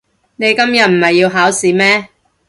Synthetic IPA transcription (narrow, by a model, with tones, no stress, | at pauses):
ne˨˧jkɐ˥mjɐ˨t̚m̩˨˩hɐ˨jːiː˧wɦaː˨˥wsiː˨˥mɛː˥